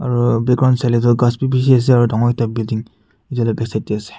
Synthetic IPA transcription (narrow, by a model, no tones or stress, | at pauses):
aɹubɛkɡɹawntsalɛzɔɡaspibis̬ias̬ɛaɹudɔŋɔitabildiŋ | itialɔjbɛksajtiasɛ̥